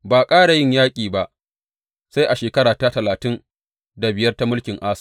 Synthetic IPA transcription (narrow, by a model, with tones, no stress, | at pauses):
baː˨kʼaː˦ɽa˨jɪ˦˨ɲjaː˦kʲʼiː˨ba˦ʔ | sa˦jʔa˨ʃeː˨kɐ˦ɽaː˨ta˦tɐ˨laː˨tɪ˦n | da˨bɪ˨jɐ˦rta˦mʊ˦lkʲɪ˨ŋʔaː˦s